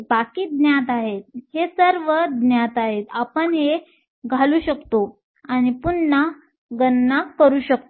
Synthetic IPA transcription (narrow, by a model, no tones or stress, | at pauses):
bakiːd̪njat̪aɦet̪̚hesəɾʋəd̪njat̪aɦet̪apəɳɦe | ɡʱaluːɕəkt̪o | añipunːa | ɡənːakkːəɾuːɕək̚t̪o